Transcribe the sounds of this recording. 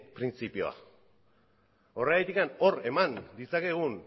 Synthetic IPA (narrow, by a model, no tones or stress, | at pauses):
pɾint͡sipio̞a̰ | o̞reɣajt̪ikano̞ɾe̞mand̪it͡sake̞ɣ̞un